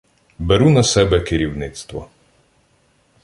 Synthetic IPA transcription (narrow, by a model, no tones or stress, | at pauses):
beɾunɐsɛbɛkɪɾʲiwnɪt̪st̪ʋɔ̰